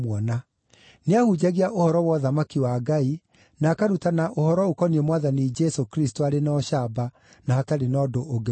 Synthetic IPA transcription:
wɔna | neahud͡ʑaɣiaʔohɔɾɔwɔðamakiwaɡai | naːkaɾutanaʔohɔɾɔokɔniemwaðanid͡ʒɛsokɾistoaɾenɔɕaba | nahataɾenɔdoʔːɡe

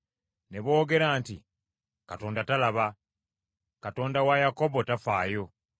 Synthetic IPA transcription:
ne̞βo̞ːɡe̞ɾaːnti | kato̞ːndatalaβa | kato̞ːndawajako̞botafaːjo̞

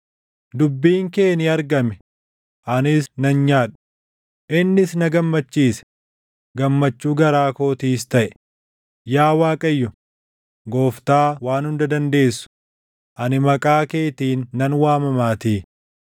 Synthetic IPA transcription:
d̪ʊbːiːŋke̞ːniɐɾɡɐmɛ | ʔɐnɪsnɐnɲaːᶑ̥ | ʔɪnːɪsnɐɡɐmːɐt͡ʃːiːsɛ̥ | ɡɐmːɐt͡ʃːuːɡɐɾaːkoːt̪iːst̪ɐʔɛ̥ | jaːwaːkʼɐjːʊ | ɡo̞ːft̪aːwaːnhʊnd̪ɐd̪ɐnd̪e̞ːsːʊ̥ | ʔɐnɪmɐkʼaːke̞ːt̪iːnːɐnwaːmɐmaːt̪iː

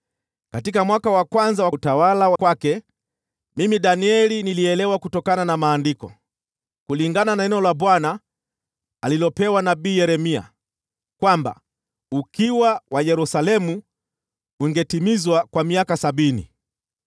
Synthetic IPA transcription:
katikamwakawakwanzawatawalawakwakɛ | mimiɗaniɛliniliɛlɛwakutɔkananamaːndikɔ̰ | kuliŋɡananaɛnɛɔlabwana | alilɔpɛwanabiːjɛɾɛmia̰ | kwamba̰ | ukiwawajɛɾusalɛmu | uŋɡɛtimizwakwamiakasaɓinḭ

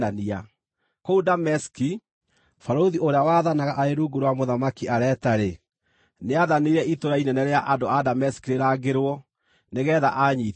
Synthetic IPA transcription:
ania | koudamɛski | faɾoðiʔoɾeawaðanaɣaʔaeɾuɡuɾoamoðamakiaɾɛtaɾe | neaðaneɾɛʔitoɾainɛnɛɾeaʔadoadamɛskiɾeɾaɡeɾwɔ | neɣɛːðaʔaɲi

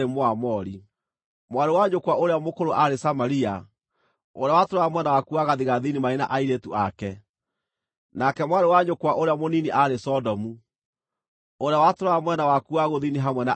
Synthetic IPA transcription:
emoamɔɾi | mwaɾewaɲokwaʔoɾeamokoɾoʔaɾesamaɾia | oɾeawatoɾaamwɛnawakuaɣaðiɣaðinimaena̰ʔaiɾetuʔakɛ | nakɛmwaɾewaɲokwaʔoɾeamoniniʔaɾesɔdɔmu | oɾeawatoɾoamwɛnawakuaɣoðiniɦamwɛna

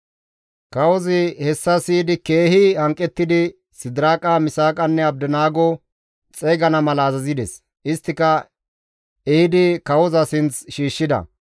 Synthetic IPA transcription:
kɐwɔzɪhɛsːɐsiːd̪ɪkeːhɪɐŋkʼːɛt̪ːɪd̪ɪ | sɪd̪ɪɾaːkʼamɪsaːkʼɐnːɛɐbd̪ɛnaːɡɔ | t͡sʼɛːɡɐnɐmɐlɐːzɐzɪd̪ɛs | ʔɪst̪ːɪkɐ | ɛɪd̪ɪkɐwɔzɐsɪnt͡sʃiːʃːɪd̪ɐ̰

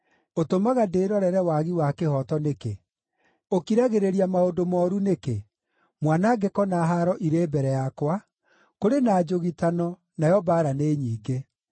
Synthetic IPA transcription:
otomaɣadeːɾɔɾɛɾɛwaɣiwakehɔtɔnekḛ | okiɾaɣeɾeɾiamaondomɔːɾuneke | mwanaɡekɔnaɦaɾɔʔiɾeːbɛɾɛjakwa | koɾenaːd͡ʒoɣitanɔ | najɔbaːɾaneːɲiːɡe

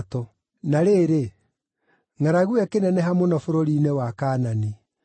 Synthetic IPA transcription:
tɔ | naɾeːɾe | ŋaɾaɣuɛkenɛnɛɦamonɔfoɾoɾinɛwakaːnani

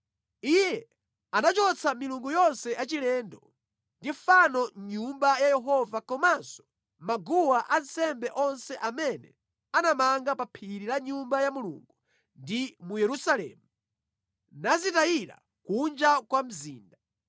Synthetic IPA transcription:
ijɛ | anat͡ʃɔt͡sʰamiluŋɡujɔnsɛʔat͡ʃilɛːndɔ | ndiɱfanɔɲumbajajɛɦɔvakɔmansɔ̥ | maɡuwaʔansɛmbɛʔɔnsɛʔamɛnɛ̰ | anamaŋɡapapʰiɾilaɲumbajamulṵŋɡu | ndimujɛɾusalɛ̰ːmu | nazitajiɾa̰ | kund͡ʒakwam̩ziːnda

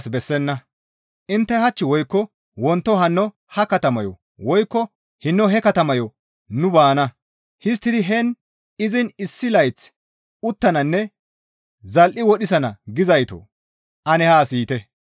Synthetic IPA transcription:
sbɛsːɛnːɐ | ʔɪnt̪ːɛhɐt͡ʃːɪwɔjkːɔ | wɔnt̪ːɔɦɐnːɔ | hɐkɐt̪ɐmɐjɔ̰ | wɔjkːɔ | hɪnːɔɦɛkɐt̪ɐmɐjɔ | nʊbaːnɐ | hɪs̬t̪ːɪd̪ɪɦɛn | ɪzɪnɪsːɪlɐjt͡s | ʊt̪ːɐnɐnːɛ | zɐlʔɪwɔɗɪs̬ɐnɐɡɪzɐjt̪ɔ̰ | ʔɐnɛhaːsiːt̪ɛ

